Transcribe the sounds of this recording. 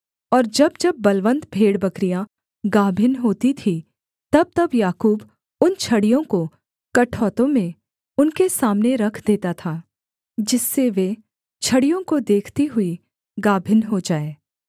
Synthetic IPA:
ɔːɾd͡ʒɐbd͡ʒɐbːɐlʋə̃nd̪bʱeːɽbɐkɾijã | ɡaːbʱɪnɦoːt̪it̪ʰi | t̪ɐb̚t̪ɐbjaːkuːb | ʊnt͡ʃʰɐɽijõko | kɐʈʰɔːt̪õmẽ | ʊnkesaːmneɾɐkʰd̪eːt̪at̪ʰaː | d͡ʒɪsːeʋe | t͡ʃʰɐɽijõkod̪eːkʰt̪iɦʊi | ɡaːbʱɪnɦod͡ʒaːeː

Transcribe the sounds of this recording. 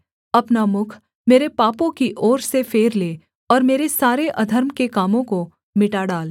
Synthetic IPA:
ɐpnamʊkʰ | meːɾepaːpõkiʔɔːɾsefeːɾleː | ɔːɾmeːɾesaːɾeʔɐd̪ʱəɾmkekaːmõko | mɪʈaɖaːl

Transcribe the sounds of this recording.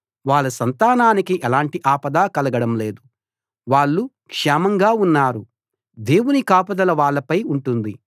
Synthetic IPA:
ʋaːɭːɐsɐnt̪aːnaːnikiʔɛlaːɳʈiʔaːpɐd̪aːkɐlɐɡɐɽɐmle̞ːd̪u | ʋaːɭːu | kʂaːmɐŋɡaːunːaːɾu | d̪e̞ːwunikaːpɐd̪ɐlɐʋaːɭːɐpɐjuɳʈund̪i

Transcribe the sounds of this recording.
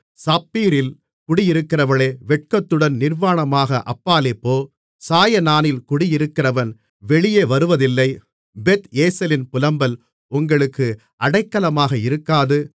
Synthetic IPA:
saːpiːɾɪl | kʊɽɪjɪɾɯkːɪrɐʋɐɭeːʋɛʈ̚kɐt̪ːɯɽɐnnɪrʋaːɳɐmaːɣɐʔɐpːaːleːpːoː | saːjɐnaːnɪlkʊɽɪjɪɾɯkːɪrɐʋɐn | ʋɛɭɪjeːʋɐɾɯʋɐðɪlːɐɪ | bɛt̪eːsɐlɪnpʊlɐmbɐl | ʊŋɡɐɭɯkːɯ | ʔɐɽɐɪkːɐlɐmaːɣɐɪɾɯkːaːðɯ

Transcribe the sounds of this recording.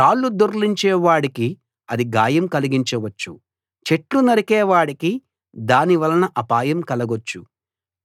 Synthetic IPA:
ʃaːlːud̪oɾliɲt͡ʃɛːʋaːɽiki | ɐd̪iɡaːjɐmkɐliɡiɲt͡ʃɐʋɐt͡ʃːu | t͡ʃe̞ʈlunɐɾikɛːʋaːɽiki | d̪aːniʋɐlɐnɐʔɐpaːjɐmkɐlɐɡot͡ʃːu

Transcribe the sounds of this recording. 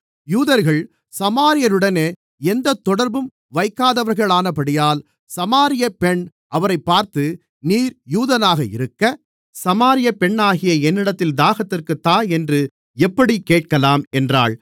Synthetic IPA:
juːðɐɾɣɐɭ | sɐmaːɾɪjɐɾɯɽɐneː | ɛnd̪ɐt̪ːɔɽɐɾbɯm | ʋɐɪkːaːðɐʋɐɾɣɐɭaːnɐpɐɽɪjaːl | sɐmaːɾɪjɐpɛɳ | ʔɐʋɐɾɐɪpːaːɾt̪ɯ | niːɾjuːðɐnaːɣɐɪ̰ɾɯkːɐ | sɐmaːɾɪjɐpɛɳːaːɣɪjɐɛnːɪɽɐt̪ːɪld̪aːɣɐt̪ːɪrkɯt̪ːaːɛndrɯ | ɛpːɐɽikːeːʈ̚kɐlaːmɛndraːɭ

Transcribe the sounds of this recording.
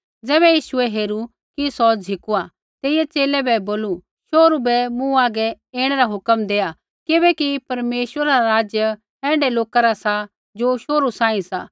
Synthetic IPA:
d͡zɛːβɛjiːʃʊɛɦeːɾu | kisɔd͡ʒɦɪkua | t̪eːɪjɛt͡ʃeːlɛbɛboːlu | ʃoːɾubɛmũaːɡɛ | eːɽ̃ɛɾaɦʊkəmd̪eːa | kɪbɛkipɐɾmeːʃwəɾaɾaɾaːd͡ʒjə | ɛ̃ːɳɖɛloːkaɾasa | d͡ʒoːʃoːɾusãːĩsa̰ː

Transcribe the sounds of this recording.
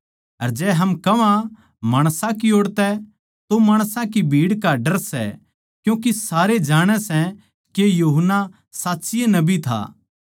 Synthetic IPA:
ɐɾd͡ʒɛːɦɐmkɐʋã | maːɽ̃sãkioːɽt̪ɛ | t̪omaːɽ̃sãkibʱiːɽkaɖɐɾsɛ̰ | kjũːkisaːɾed͡ʒaːɽ̃ɛsɛ̃ | kejuːɦənːa | saːtːsɪjenɐbit̪ʰa̰ː

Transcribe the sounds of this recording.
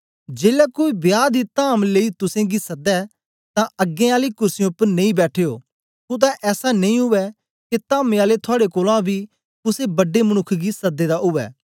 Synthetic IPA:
d͡ʒeːlɛkoːibjaːd̪it̪aːmleːit̪ʊsẽːɡisɐd̪ɛ | t̪ãɐɡẽaːlikʊɾsijõʊpːəɾnẽĩbɛːʈʰeːoː | ʊt̪̬ɛʔɛːsanẽĩːɦʊʋɛ | ket̪aːmẽaːlet̪ʰʊaːɽekoːlãbʱiː | kʊsebɐɖeməñʊkʰːɡisɐd̪ːed̪aʊʋɛ̰ː

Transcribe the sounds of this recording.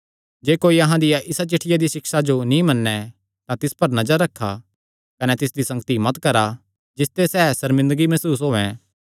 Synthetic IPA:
d͡ʒeːkoːiɐɦãd̪ɪjaʔɪsat͡ʃɪʈʰːɪjad̪isɪksad͡ʒonĩmɐnːɛ | t̪ãt̪ɪspɐɾnɐd͡ʒəɾːɐkʰːa | kɐnɛt̪ɪsd̪isɐ̃ŋɡət̪imɐt̪kɐɾa | d͡ʒɪst̪esɛːsɐɾmɪ̃nd̪əɡimɛsuːs̬ɦoːɛ̃ː

